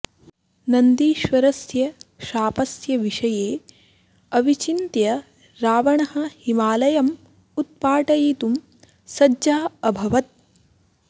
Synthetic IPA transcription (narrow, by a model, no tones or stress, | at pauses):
nɐnd̪iːʃʋɐɾɐsjɐʃaːpɐsjɐʋiʂɐjeː | ɐʋit͡ʃint̪jɐ | ɾaːʋɐɳɐɦɐ̆himaːlɐjɐm | ut̪̚paːʈɐjit̪um | sɐd͡ʒaːɐbʱɐʋɐt̪̚